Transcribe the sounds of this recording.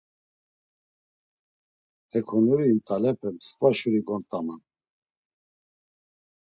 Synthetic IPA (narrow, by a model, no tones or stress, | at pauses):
ɛkʰɔnuɾiːnt̪ʼalɛpʰɛmsvaʃuɾiɡɔnt̪ʼaman